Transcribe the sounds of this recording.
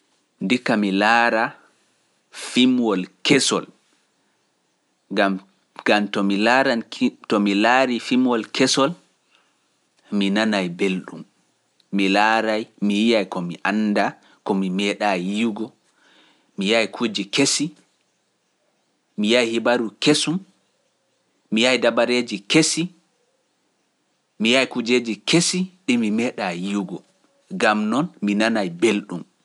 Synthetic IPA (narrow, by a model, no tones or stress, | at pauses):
ndikːamilaːɾa | fimwɔlkɛsɔ̰l | ɡam | ɡ̥amtɔmilaɾatɔmilaɾifimwɔlkʰɛsɔl | minanajbelɗumː | ilaːɾajmijijajkɔmiʔanda | kɔmimɛːɗajiwɡɔ | mijajkʰud͡ʒikesi | mijajhibaɾukesum | mijajdabaɾeːd͡ʒikesi | mijajkud͡ʒeːd͡ʒikesiɗimimɛːɗajiɡɔ | ɡamnɔnminanajbelɗum